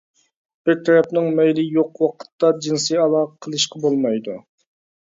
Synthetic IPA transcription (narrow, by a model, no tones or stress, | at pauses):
b̥ɪɾt̪ʰɛɾɛpnɪŋmɛjlɪjoqwɑqʰə̥t̪ːɑd͡ʒinsɨjɑlˠɑqʰəlˠɨʃqɑbolˠmɑjd̪u